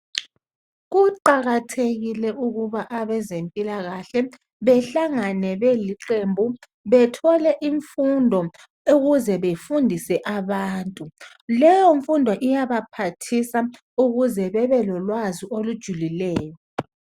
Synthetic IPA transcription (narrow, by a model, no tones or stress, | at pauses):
ɣuǃaɣatʰeɣilɛʔuɣuβaʔaβɛzempʼilaɣaɬɛ | βɛɬaŋanɛβeliǃembʱu | βɛtʰɔlɛʔiɱfundʱɔ | uɣuzɛβefundʱisɛʔaβaːntʼu | lɛjɔɱfundʱɔʔijaβapʰatʰisa | uɣuzɛβɛβɛlɔlwaziolud̥ʒ̥ʱulilɛːjɔ